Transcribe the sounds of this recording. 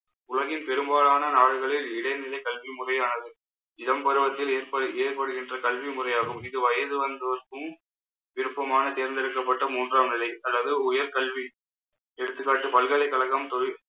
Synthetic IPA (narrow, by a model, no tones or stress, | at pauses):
ʊlɐɣɪnpɛɾɯmbaːlaːnɐnaːɽɯɣɐɭɪlɪɽɐɪnɪlɐɪkɐlʋimʊrɐjaːnɐðɯ | ɪðɐmpɐɾɯʋɐt̪ːɪleːrpɐɯeːrpɐɽɯɣɪndrɐkɐlʋimʊrɐjaːɣɯmɪðɯʋɐjɐðɯʋɐnd̪ɐʋɐrkɯm | ʋɪɾɯpːɐmaːnɐt̪eːɾnd̪ɪɾɯkːɐpːɐʈːɐmuːndraːmnɪlɐɪɐlːɐðɯʊjɐɾkɐɭʋi | ɛɽɯt̪ːɯkːaːʈːɯpɐlɣɐɭɐɪkːɐɭɐɣɐmt̪ɔ